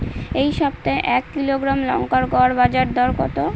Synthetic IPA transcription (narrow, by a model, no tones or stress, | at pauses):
ejʃɔbt̪aeʔɛkːiloɡɾamlɔ̰ŋkaɾɡɔɾbad͡ʑaɾd̪ʱɔɾkɔt̪o